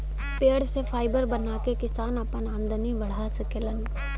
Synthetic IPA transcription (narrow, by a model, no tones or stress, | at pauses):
peːɽsefʰaːɪbəɾbənakekɪsaːnapənaːmd̪əniʋɐɽ̤asəkelən